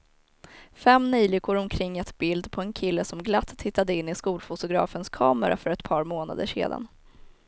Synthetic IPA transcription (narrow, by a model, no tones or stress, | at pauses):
fɛmːnyːlɪkʰːʊɾɔmkʰɾɪŋːɛt̪bɪld̪pʰɔɛnkʰɪlːəsɔmɡlat̪ːhɪt̪ːad̪əɪnːɪskuːlfʊt̪ʊɡɾɑ̰ːfənskʰɑːməɾʔa̰fœɾɛt̪pʰɑːɾmoːna̰d̪ə̰ʂḛːd̪a̰n